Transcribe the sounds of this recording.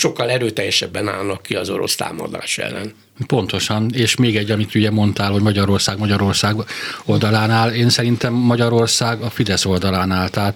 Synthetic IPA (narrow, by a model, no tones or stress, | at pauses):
ʃo̞kːɒlɛɾøːt̪ɛjːɛʃɛbːɛna̰ːlnɒkːiɒzo̞̰ɾo̞̰st̪a̰ːmɒ̰d̪a̰ːʃɛ̰lːɛ̰n | po̞nt̪o̞ʃɒneːʃmeːɡɛɟːɒmit̪uɟɛmo̞nt̪aːlho̞ɟmɒɟɒɾo̞rsaːɡmɒɟɒɾo̞rsaːɡo̞ld̪ɒlaːnaːleːnsɛɾint̪ɛmːɒɟɒɾo̞rsaːɡɒfid̪ɛso̞ld̪ɒlaːnaːlt̪ɛː